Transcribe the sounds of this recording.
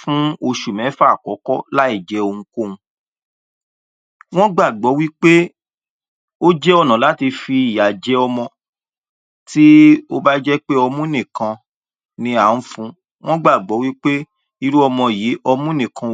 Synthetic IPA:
fũ˦o˧ʃu˨mɛ̃˨˦fa˦˨kɔ˨˦kɔ˦la˦i˦˨d͡ʒɛ˨˦o˧ŋũ˧˦ko˦˨ũ˧ | w̃ɔ̃˦ɡ͡ba˦˨ɡ͡bɔ˨˦wi˦k͡pe˦ | o˦d͡ʒɛ˦ɔ˦˨nã˨la˨˦ti˧fi˧i˨ja˨d͡ʒɛ˨˦ɔ˧mɔ̃˧ | ti˦o˧ba˦d͡ʒɛ˦k͡pe˦ɔ˧mũ˦nĩ˨kã˧ | nĩ˧a˨ũ˨˦fũ˦ | w̃ɔ̃˦ɡ͡ba˦˨ɡ͡bɔ˨˦wi˦k͡pe˦ | i˧ɾu˦ɔ˧mɔ̃˧ji˨˦ɔ˧mũ˦nĩ˨kʰã˨

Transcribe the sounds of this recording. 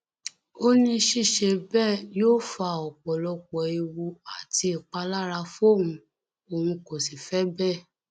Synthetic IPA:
o˦nĩ˧˦ʃi˦˨ʃe˧bɛ˦˨joː˦fa˧ɔ˨k͡pɔ˨lɔ˧k͡pɔ˨i˧wu˧a˨ti˧˦i˨k͡pa˧la˦ɾa˧fo˦˨w̃ũ˧ | o˨hũ˧ko˨si˨fɛ˦bɛ˦˨

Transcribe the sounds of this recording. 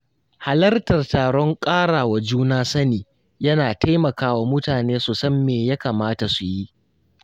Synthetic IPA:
ha˨lɐ˦rtɐ˨rtaː˨ɽɔ˦ŋkʼaː˦ɽaː˨wa˨d͡ʒuː˦naː˦sɐ˦niː˨ | jɐ˦naː˨tʰa˦jmɐ˨kaː˦wa˨mʊ˦taː˨neː˦su˨sɐ˦mːeː˨ja˦ka˨maː˦ta˨su˨ji˦ʔ

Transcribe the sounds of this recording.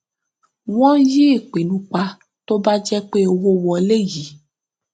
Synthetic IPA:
wɔ̃˦ji˦˨k͡pe˨nũ˨˧k͡pa˧ | to˦ba˦d͡ʒɛ˦k͡pe˦o˧wo˦wɔ˧le˦ji˨˦

